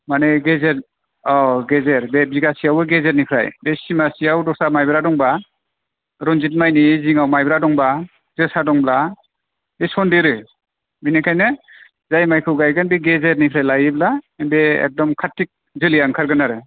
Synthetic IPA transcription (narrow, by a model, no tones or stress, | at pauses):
maneɡezeɾ | ɔɡezeɾbebiɡasijawɯɡezeɾnipʰɾa̰jbesimasijawdɔsamajbɾadɔŋba | ɾɔnzit̚majniziŋawmajbɾadɔŋba | zɯsadɔŋbla | besɔndeɾɯ | binekʰajnɯ | zajmajkʰɯwɡajɡanbeɡezeɾnipʰɾajlajiblanbeḛk̚dɔmkʰatːik̚ | zɯlijaŋkʰaɾɡɯnaɾɯ